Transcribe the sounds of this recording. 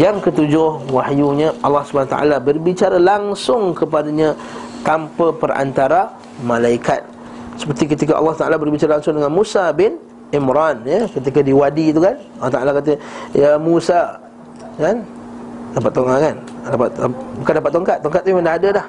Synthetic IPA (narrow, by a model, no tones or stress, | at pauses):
jaŋkət̪ud͡ʒʊhwahjuɲəʔɑlːɑhsubanat̪a̰ʔa̰labərbit͡ʃaɾalaŋsʊŋkəpadaɲã | t̪ampəpəra̰nt̪aɾa | mãlaikat̪̚ | sə̥pərt̪ik̬ət̪ikaʔɑ̰lːɑht̪aʔalabərbit͡ʃaɾalaŋsʊŋdəŋanmusabɪn | imɾanjəkət̪̬ikadiwadit̪ukanɑlːɑht̪aʔalakat̪̬əjəmusa | kandapat̪ːoŋakandapat̪bukandapat̪ːɔŋkat̪ːɔŋkat̪̚ːuiməndaɦadəlah